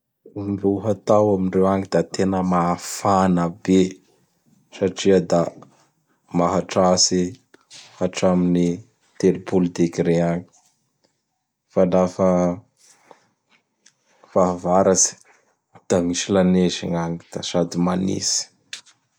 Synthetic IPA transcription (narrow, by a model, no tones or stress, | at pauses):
ruɦat̪awaminrewaŋid̪at̪enəmafanəbe | saʈ͡ʂiəd̪a | maɦaʈ͡ʂasi | haʈ͡ʂamini | t̪eɾipulud̪ekiɾeaŋi̥ | falafə | faɦvaɾat͡si̥ | d̪̥aŋiʃilanezḭŋaŋid̪̥asad̪imanḭsi̥